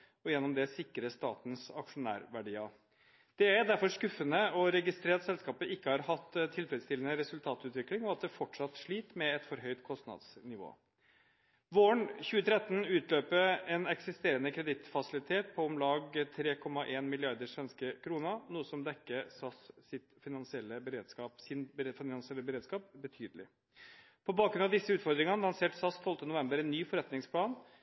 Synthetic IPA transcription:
ɔjɛnːɔmd̪ɛsɪkːɾəst̪ɑ̰ːt̪n̩sɑ̰kʂʊnæ̰ːɾʋæɖiːɑ | d̪̥ɛæɾd̪æɾfɔʂkʉfːənəɔɾɛɡɪst̪ɾeːɾt̪sɛlskɑːpəʔɪkːəhɑɾhɑt̪ːt̪ʰːɪlfɾɛd̪st̪ɪlənəɾɛsʉlt̪ʰɑːt̪ʉːt̪ʋɪklɪŋɔɑt̪̚d̪ɛfɔʈʂɑt̪ʂɭiːt̪mɛɛt̪fɔɾɦœʏt̪kʰɔst̪nɑ̰d̪snɪʋo̰ː | ʋoːəɳçʉːət̪ʰɾɛt̪ːnʉːt̪ʰløːpəɾɛnɛksɪst̪eːɾənəkʰɾɛd̪ɪt̪fɑsɪlɪt̪ʰeːt̪̚pʰɔɔmlɑːɡt̪ʰɾeːkʰɔmːɑʔeːnmɪlɪɑɾd̪əʂʋɛnskəkʰɾuːnənuːəsɔmd̪ɛkːəsɑssɪt̪fɪnɑnsɪɛlːəbəɾeːd̪skɑːpsɪnbfɪnɑnsɪɛlːəbəɾeːd̪skɑːp̚bət̪ʰyːd̪əlɪ̰ | pʰɔbɑːkɡɾʉnd̪ɑʋd̪ɪsːəʉːt̪fɔɾd̪ɾɪŋɑnəlɑnseːʈsɑst̪ʰɔlt̪ənʊʋɛmbəɾɛnːyːfɔɾɛt̪nɪŋspʰlɑːn

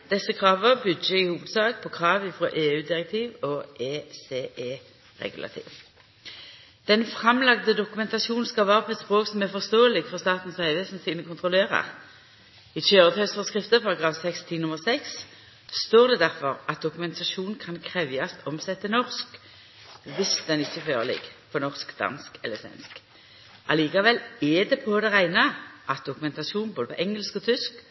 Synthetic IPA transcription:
d̪̥ɛsːəkʰʁɑːʋəbʏd̪əɪhuːʋəd̪sɑːk̚pʰɔkʰʁɑːʋɪfʁo̰ːʔeːʉːd̪ɪʁɛk̚t̪ʰiːʋɔʔeːseːʔeː | ʁɛ̰ɡʉlʔɑ̰t̪ʰḭːʋ | d̪̥ɛnfʁɑmlɑɡd̪əd̪ʊkʉmɛnt̪ɑsuːn̩skɑlʋɑːʁəpʰɔɛt̪spʁoːksɔmæʁfɔʁst̪oːəlɪɡfɔʁst̪ɑːt̪n̩sœʏʋesnsiːnəkʊnt̪ʰʁʊleːʁə̰ | ɪtøːʁət̪ʰœsfɔʁskʁɪft̪əpʰɑʁɑɡʁɑːʋsɛkst̪ʰiːnʊməʁsɛks | st̪oːʁd̪ɛd̪æʁfɔʁɑt̪̚d̪ʊkʉmɛnt̪ʰɑʃuːnn̩kʰɑnkʰʁɛʋjɑst̪ɔmsɛt̪ːənɔʁsk | ʋɪsd̪ɛnɪçːəføːʁəlɪ̰ɡpʰɔnɔʁskd̪ɑ̰nskɛləsʋɛ̰nsk | ʔɑliːkɑʋɛlɛd̪ɛpʰɔd̪ɛʁæɪnəʔɑt̪̚d̪ʊkʉmɛnt̪ɑʃuːn̩boːd̪əpʰɔ̰ʔɛŋəlskɔt̪ʰʏsk

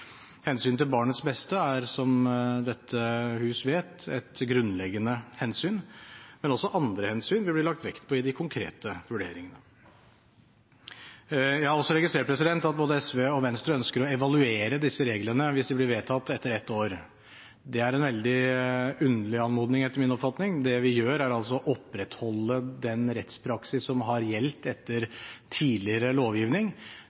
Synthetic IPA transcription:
hɛnsyːnt̪ɪlbɑːɳət̪sbɛst̪əæɾsɔmd̪ɛt̪ʰːəhʉːsʋeːt̪ɛt̪ɡɾʉnːlɛɡːənəhɛnsyːnmɛnɔsːɔʔɑnd̪ɾəhɛnsyːnʋɪb̪ɪɭɑkt̪ʋɛkt̪pʰɔɪd̪ɪkʰʊŋkʰɾḛːt̪əʋʉɖḛːɾɪŋənə | jæhɑɾɔsːɔɾɛɡɪst̪ɾeːʈ̚pʰɾɛsɪd̪ɛnt̪ɑt̪̚boːd̪əɛsʋeːɔʋɛnst̪ɾəœnskəɾɔɛʋɑlʉeːɾəd̪ɪsːəɾeːɡlənəʋɪsd̪ɪblɪɾʋeːt̪ʰɑt̪ːɛt̪ːəɾɛt̪ːoːɾ | d̪ɛæɾɛnʋɛld̪ɪʉnəlɪɑnmuːd̪nɪŋɛt̪ːəɾmɪnɔpfɑt̪nɪŋd̪ɛʋɪjøːɾæɾɑls̬ɔʔɔpːɾɛt̪hɔlːəd̪ɛnɾɛt̪spʰɾɑksɪsːɔmɦɑɾjɛlt̪ɛt̪ːəɾt̪ʰiːlɪəɾəloːʋjɪːʋnɪŋ

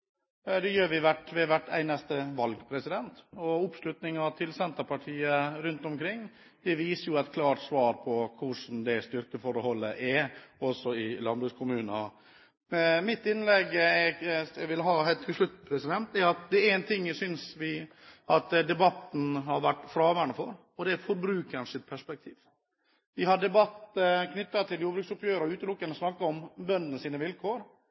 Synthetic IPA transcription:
d̪ɛjøːɾʋɪʋæʈʋɛʋæʈːæ̰ɪnɑst̪əʋɑlɡpʰɾɛsɪd̪ɛnt̪ɔʊpslʉt̪nɪŋɑt̪ʰɪlsɛnt̪əɾpʰɑʈʰiːəɾʉnt̪ɔmkʰɾɪŋː | d̪ɛʋiːsəjʊæɪt̪kʰlɑːʈsʋɑːɾpʰɔkʰʊʂn̩d̪ɛst̪ʏɾkəfɔɾəhɔlːəʔɛɔsɔɪlɑnbʉːskʰʊmʉːnɑ | mɪt̪ːɪnlɛɡːɛɛʋɪlɦɑːhæɪt̪ʰɪlʂlʉt̪ːpʰɾɛsɪd̪ɛnt̪ɛɑt̪̚d̪ɛɛɾɛnt̪ʰɪŋːjæsʏnsʋɪ | ʔɑt̪d̪ɛbɑt̪ːn̩ɦɑɾʋæʈːfɾɑːʋæɳəfɔɾ | ɔd̪ɛæfɔɾbɾʉːkənsɪt̪̚pʰæʂpɛk̚t̪ʰiːʋ | ʋɪɦɑɖɛbɑt̪ːkʰnʏt̪ːɑt̪ʰɪljuːɾbɾʏktsʊpjøːɾɾʉːt̪əlʊkːənɔsnɑkːɑɔmbœnːənəsiːnəʋɪlkʰoːɾ

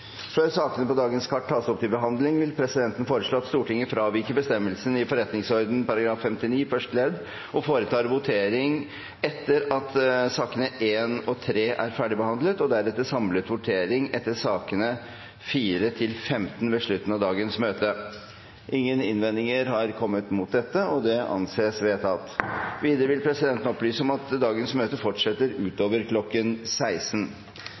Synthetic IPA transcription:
føːɾsɑːkənəpɔd̪ɑːɡənskʰɑʈːʰɑːsɔp̚t̪ʰɪlbəɦɑnd̪lɪŋʋɪlpʰɾɛsɪd̪ɛnt̪ənfoːɾəʂɭoːɑt̪st̪uːʈɪŋːəfɾɑːʋɪkəbəst̪ɛmːəlsənɪfɔɾɛt̪nɪŋsɔɾd̪n̩pɑɾɑɡɾɑːfːɛmt̪ɪniːfœʂʈlɛd̪ | ɔfoːɾət̪ʰɑːɾʋʊt̪ʰeːɾɪŋ | ɛt̪ːəɾɑt̪sɑːkənəʔeːnɔt̪ʰɾeːʔæɾfæːɖɪbəhɑnd̪lət̪ɔd̪æɾɛt̪ːəsɑmlət̪ʋʊʈʰeːɾɪŋɛt̪ːəsɑːkənə | fiːɾət̪ʰɪlfɛmt̪n̩ʋɛʂɭʉt̪ːən̩ɑʋd̪ɑːɡənsmøːt̪ə | ʔɪŋːənɪnʋɛnd̪ɪŋəɾhɑɾkʰɔmːət̪mʊt̪̚d̪ɛt̪ːəɔd̪ɛʔɑ̰nseːsʋeːt̪ʰɑt̪ʋiːd̪əɾəʋɪlpʰɾɛsɪd̪ɛnt̪n̩ɔplyːsəɔmɑt̪d̪ɑːɡənsmøːt̪əfɔʈʂɛt̪ːəɾʉːt̪oːʋəɾkʰlɔkːənsæɪsn̩

